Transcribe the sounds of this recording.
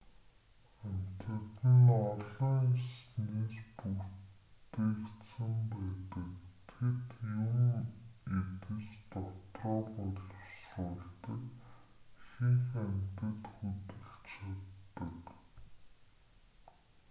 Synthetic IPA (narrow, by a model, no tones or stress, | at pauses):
æmʲt̪ɘ̆t̪ɘ̆nɔɮɞ̆ŋsneːspu | eːkt̪sə̆mpæːt̪ə̆kt̪ʰet̪juŋ | et̪ɘ̆t͡ɕt̪ɔt̪rɔːpɔɮ̆wsʊɮt̪ə̆k | xiŋxæm̥ʲt̪ɘ̆t̪xɵt̪ɘ̆ɬt͡ɕʰat̪ːə̆k